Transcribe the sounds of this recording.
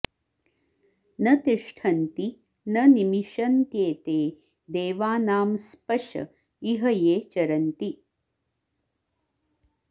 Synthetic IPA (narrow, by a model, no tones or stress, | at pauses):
nɐt̪iʂʈʰɐnt̪i | nɐnimiʃɐnt̪jeːt̪eː | d̪eːʋaːnaːmspɐʃɐ̰ | iɦɐjeːt͡ʃɐɾɐnt̪i